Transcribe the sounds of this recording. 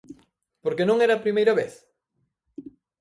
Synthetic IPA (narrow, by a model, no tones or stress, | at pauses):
poɾkenõŋeɾapɾimejɾaβeθ